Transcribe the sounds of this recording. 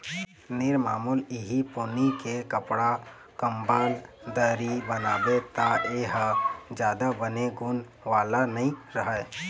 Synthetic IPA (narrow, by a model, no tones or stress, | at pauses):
nɪɾmaːmuːlɪɦipoːnikekəpɽa | kəmbəld̪əɾibənaːbet̪aʔeɦd͡ʒjaːd̪abəneɡʊn | ʋaːlanɐĩɾəɦə